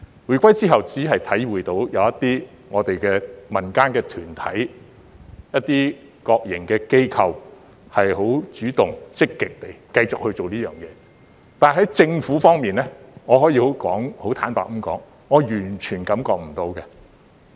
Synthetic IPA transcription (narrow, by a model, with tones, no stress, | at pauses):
wuː˨˩jkʷɐ˥jt͡siː˥ɦɐ˨wt͡siː˨˥ɦɐ˨jt̪ʰɐ˨˥jwuː˨˩jt̪o˨˧˥wjɐ˨˧wɐ˥t̪iː˥ | ŋɔː˨˧t̪e˨jkɛː˧mɐ˨˩nkaː˥nkɛː˧t̪ʰyː˨˩nt̪ʰɐ̰˨˥j | jɐ˥t̚t̪ːiː˥ | kɔː˧k̚jɪ̰˨˩ŋkɛː˧ke˥jkʰɐ˨˧w | hɐ˨jɦo˨˥wt͡ʃyː˨˥t̪ʊ˨ŋt͡sɪ˥kːɪ˨k̚t̪e˨jkɐ˧jt͡sʊ˨k̚hɵ˧ɥt͡so˨wliː˥jœː˨ŋjɛ̰ː˨˧ | t̪aː˨nɦɐ˨˥jt͡sɪ˧ŋfuː˨˥fɔː˥ŋmiː˨nlɛ˥ŋɔː˨˧hɔː˨˥jiː˧ho˨˥wkɔ̰ː˨˥ŋho˨˥wt̪ʰa̰ː˨˥npa̰ː˨k̚m̩˥mkɔ̰ː˨˥ŋːɔː˨˧jyː˨˩nt͡ʃʰyː˨˩nkɐ˨˥mkɔː˧k̚m̩˨˩t̪o˧wkɛ˧